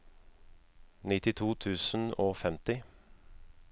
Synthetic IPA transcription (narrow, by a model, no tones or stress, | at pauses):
nɪt̪ɪt̪ʰuːt̪ʰʉːsn̩oːfɛmt̪ɪ